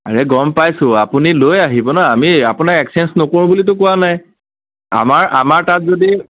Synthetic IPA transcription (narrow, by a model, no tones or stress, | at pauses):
a̰ɹɛɡɔmpajsʊ̃apunilojaɦibɔnaamiapʊnakɛksɛnsnokoɹũbulit̬ʊkʊanaj | a̰maɹamaɹtatzodi